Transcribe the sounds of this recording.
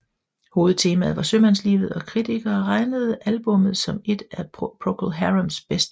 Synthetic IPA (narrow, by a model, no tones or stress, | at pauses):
ho̝ːð̩ˠt͡sʰe̝ːmæð̞̩ˠʋɑ̈sømænslḭːʋð̩ˠɒ̽kʰʁit͡sʰiɡ̥ɐːʁɑ̈ɪnəð̞̩ˠʔælb̥ɔ̽mð̞̩ˠsɒ̽me̝d̥æpʰʁokʰlɦæʁɐmsb̥esd̥